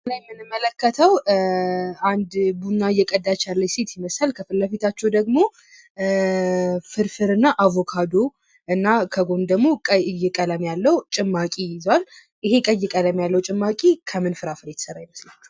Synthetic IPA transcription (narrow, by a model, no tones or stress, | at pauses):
ɨlajɛmːɨnɨmːələkːət̪ʰəw | and̪bunːajɛkʼəd̪ːat͡ʃalːəjset̪jɪməsəlkʰəfɨlːəfit̪ʰat͡ʃːɛwd̪əɡmo̞ | fɨɾfɨɾɨnːaʔavo̞kʰad̪o | ʔɨnːakʰəɡo̞nd̪əɡmo̞kʼəjɪkʼələmjalːəwt͡ʃʼɪmːakʼijɪzwal | ʔɨɦe̞kʼəjːɪkʼələmjalːəwt͡ʃʼɪmːakʼikʰəmɨnfɨɾafɨɾjɛt̪ʰə̥səɾajɪməsla